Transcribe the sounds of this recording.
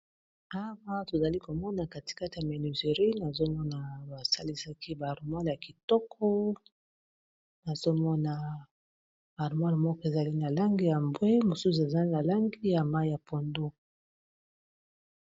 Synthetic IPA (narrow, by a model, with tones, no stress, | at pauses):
a˦wa˦to˨za˨li˦ko˨mɔ˦na˨ka˨ti̥˨ka˦ti˨ja˨me˨ni˨ze˨ʁi˦na˨zo˦mɔ˦na˨ba˨sa˦li˦sa˦ki˦ba˨ʁu˨ma˦lja˨ki˨tɔ˦kʰɔ˦ | na˨zo˦mɔ˦na˨ | ba˨ʁu˨ma˦lmɔ˦kɔ˦e˨za˨li˦na˨la˦ŋɡi˦ja˨mbwe˦mo˨su˦s̬u˨e˨za˦li˦na˨la˦ŋɡi˦ja˨ma˦i˦ja˨po˨ndo˦